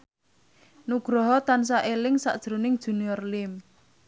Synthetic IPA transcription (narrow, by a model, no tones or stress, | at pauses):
nuɡ̥ɾɔɦɔt̪ans̬aʔelɪŋsa̰ʔd̥ʒ̥ɾunɪŋd̥ʒ̥ṳniɔrlɪm